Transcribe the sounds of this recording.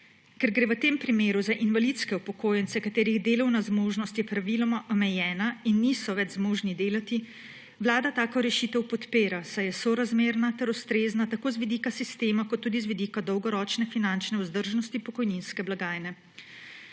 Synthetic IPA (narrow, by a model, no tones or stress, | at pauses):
kɛɾɡɾeʋət̪empɾimeːɾuzaʔinʋalit̪skɛupɔkoːjɛnt̪sɛkat̪eːɾiɣd̪eːlɐwnazmoːʒnɔst̪jɛpɾaʋilɔmaʔɔmɛjɛːnainːisɔʋɛd͡ʒzmoːʒnid̪eːlat̪i | ʋlaːd̪at̪aːkɔɾɛʃiːt̪ɛwpɔt̪peːɾasajɛsɔɾazmeːɾnat̪ɛɾust̪ɾeːznat̪akoːzʋid̪ikasist̪eːmakɔt̪ːuːd̪izʋid̪iːkad̪ɔwɡɔɾɔːt͡ʃnɛfinant͡ʃnɛuzd̪əɾʒnɔst̪ipɔkɔjninskɛblaɡaːjnɛ